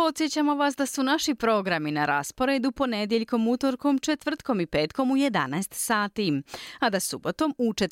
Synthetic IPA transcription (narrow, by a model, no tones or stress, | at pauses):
po̞t̪sje̞t͡ɕamo̞ʋasd̪asunaʃipɾo̞ɡɾaminaɾa̰spo̞ɾe̞d̪upo̞ned̪jeʎko̞mut̪o̞ɾko̞mt͡ʃet̪ʋr̩t̪ko̞mipe̞ːt̪ko̞muje̞d̪a̰naest̪saːt̪iad̪asubo̞t̪o̞mut͡ʃe